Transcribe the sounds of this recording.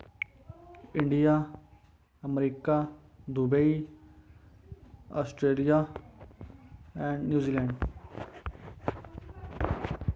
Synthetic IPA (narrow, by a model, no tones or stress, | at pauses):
ɪ̃ɳɖijaː | əmɾiːkaː | d̪ubei | aːsʈɾeːlijaː | ɛ̃ːɳɖnjuːziːlɛ̃ːɳɖ